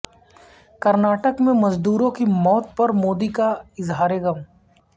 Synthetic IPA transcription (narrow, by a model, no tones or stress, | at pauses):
kɐɾnaːʈəkmẽmɐzd̪uːɾõkimɔːt̪̚pɐɾmoːd̪ikaɪzɦaːɾeɡɐm